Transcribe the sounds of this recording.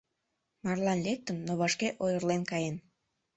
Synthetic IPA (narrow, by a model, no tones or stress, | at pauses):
mɑrlɑnlek̚t̪ənːoβɑʃkeʔojərlenkɑjen